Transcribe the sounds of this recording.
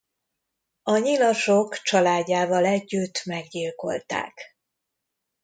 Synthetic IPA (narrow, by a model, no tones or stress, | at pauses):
ɒɲilɒʃo̞kt͡ʃɒlaːɟːaːvɒlɛɟːyt̪ːmɛɡɟiːlko̞̰lt̪a̰ːk